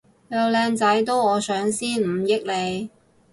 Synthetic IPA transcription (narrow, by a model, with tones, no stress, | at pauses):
jɐ˨˧wlɛː˧ŋt͡sɐ˨˥jt̪o˥wɔː˨˧sœː˨˧˥ŋsiː˥nm̩˨˧˩jɪ˥k̚le˨˧j